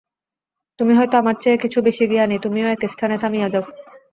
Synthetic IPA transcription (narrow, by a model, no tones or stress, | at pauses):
t̪umiɦɔjt̪oamaɾt͡ɕaekit͡ɕʰubeʃieɡianit̪umioɛkest̪ʰanet̪ʰamiad͡ʑaw